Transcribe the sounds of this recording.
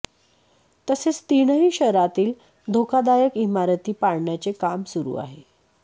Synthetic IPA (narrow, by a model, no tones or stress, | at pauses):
t̪əset͡st̪iɳəɦiːɕəɾat̪iːl | d̪ʱokad̪ajəkimaɾət̪iːpaɽɳjat͡sekamsuɾṵːa̰ɦe